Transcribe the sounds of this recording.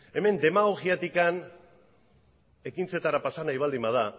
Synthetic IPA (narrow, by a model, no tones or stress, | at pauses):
e̞me̞nd̪e̞maɣo̞ɣiat̪ikan | e̞kint͡se̞t̪aɾapasanajβ̞ald̪imað̞a